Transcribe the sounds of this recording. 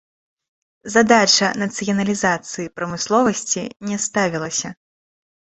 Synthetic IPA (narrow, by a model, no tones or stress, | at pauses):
zad̪at͡ʂɐnɐt̪sɨjɐnɐlʲizat̪sɨjipɾɐmɨslˠɔvɐsʲt͡sʲinʲɛst̪avʲilˠɐsʲɐ